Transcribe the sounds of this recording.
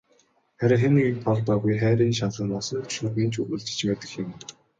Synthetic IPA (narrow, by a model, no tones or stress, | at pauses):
χæɾʲɪ̆xenɘ̆ɡek̚p̪ʰɔɮpæːɣujχæːɾʲiːnʃaɮə̆nɔsɞ̆nʃuɣiːnt͡ɕɵuɮt͡ɕɘ̥̆t͡ɕpæːt̪ɘ̆xjɪ̆m